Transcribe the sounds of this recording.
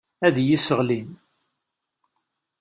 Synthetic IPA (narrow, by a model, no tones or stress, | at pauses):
æðjisəʁlin